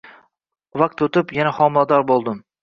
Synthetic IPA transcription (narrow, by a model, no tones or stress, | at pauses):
vaq̚t̪ot̪ɪpjanahɒmɪlˠad̪ɒɾbolˠd̪ɪm